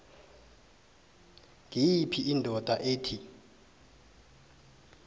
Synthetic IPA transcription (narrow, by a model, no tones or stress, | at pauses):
ŋʱijipʰiʔindʱɔtʼaʔeːtʰi